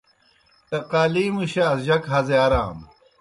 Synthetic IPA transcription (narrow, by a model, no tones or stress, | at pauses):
t̪ɐqaːliːmuɕaːsʑɐkɦɐzeaɾaːm